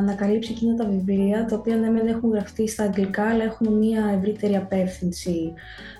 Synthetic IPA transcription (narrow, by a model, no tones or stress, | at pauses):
ɐnɐkɐlipsicinɐt̪ɐviviɾiɐt̪ɐopiɐnemenexuŋɣɾɐft̪ist̪ɐːŋɡlikɐːlɐe̞xumemɲiɐe̞vɾit̪e̞ɾiɐpe̞fθinsi